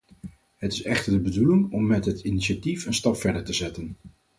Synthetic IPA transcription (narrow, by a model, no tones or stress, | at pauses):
ɦətɪsɛχtəɹdəbədulɪŋɔmːɛtɦətiniʃatifənstɑpfɛɹdəɹtəzɛtən